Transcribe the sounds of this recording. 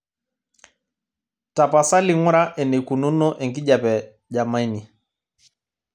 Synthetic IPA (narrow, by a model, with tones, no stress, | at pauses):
ta˨pa˨sa˦li˦˨ŋu˦ɾa˦ʔɛ˨nɛ˨ku˨nu˦nɔ˦ʔɛ˨ŋɡi˦ʄa˨pɛ˨ | ʄa˨ma˦i˦ni˨